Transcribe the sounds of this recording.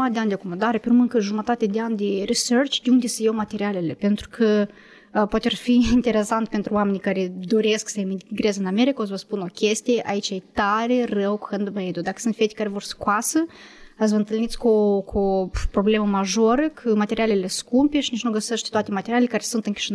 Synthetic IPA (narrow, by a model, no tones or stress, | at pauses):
mat̪d̪iand̪iakomənd̪aɾəpəɾmɨnkəʒumat̪at̪ed̪iand̪iɾisɛɾt͡ʃd̪uŋd̪isəjomat̪eɾialelepɛnt̪ɾu̥kʰə | pot̪ərfiint̪eɾesant̪̚pɛnt̪ɾuamenikaɾid̪oɾesksajmiɡɾezənameɾikozvɐspunɔkʰʲest̪ʲeʔa̰it͡ʃajt̪aɾerɛwku̥hɛnd̪məed̪ud̪akə̥sɨnt̪fɛt̪i̥kaɾivɔɾskwasəazvənt̪əlnit̪t͡skokʰopɾobleməmaʒoɾəkʰəmat̪eɾialʲeleskumpiʃnit͡ʃnuɡəsəʃt̪i̥t̪uat̪emat̪eɾʲialekaɾesunt̪ɨŋki̥ʃn